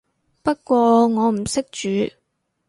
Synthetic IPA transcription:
pɐ˥t̚kʷɔː˧ŋɔː˨˧m̩˨˩sɪ˥k̚t͡ʃyː˨˧˥

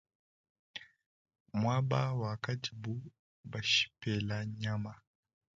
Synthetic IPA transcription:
mwa˦ɓa˦wa˨ka˦ti˨bu˦ | ba˨ʃi̥˨pɛ˨la˨ɲa˦ma˨

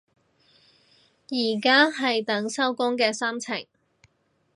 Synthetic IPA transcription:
jiː˨˩kaː˥ɦɐ˨jt̪ɐ˨˥ŋsɐ˥wkʊ˥ŋkɛː˧saː˥mt͡sʰɪ̰˨˩ŋ

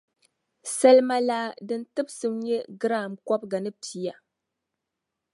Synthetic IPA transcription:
sa˦lma˦laː˦dɨ˦ntɨ˦bsɨ˦mɲɛ˦ɡɨ˦ɾa˦˨mkɔ˦b̚ɡa˨nɨ˦pi˦ja˨

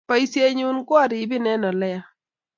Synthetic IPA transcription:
pa˦jse˦ɲu˦nkʊ˦a˨ɾi˨bɪ˦nɛ˦nɔ˨lɛ˦ja˦

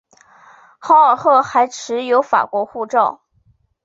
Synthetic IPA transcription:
xɑ˥ə˨˩xɤ˥˩xa˧˥ɪʈ͡ʂʰɻ̩˧˥jo˧˥ʊfa̰˨˩kwɔ˧˥xu˥˧ʈ͡ʂɑ˥˩ʊ

